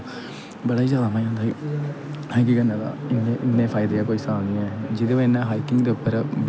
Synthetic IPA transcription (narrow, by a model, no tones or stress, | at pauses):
bəɽaːid͡ʒjaːd̪aːmaːĩõːnd̪aːiː | ãk̬ikənːaːd̪a̰ːɪnːeːʔɪnːẽːpʰaːɪd̪eːaːkoːisaːlnĩɛːd͡ʒɪd̪eʋenːãːɦaːikɪ̃ŋɡd̪eːʊpːəɾb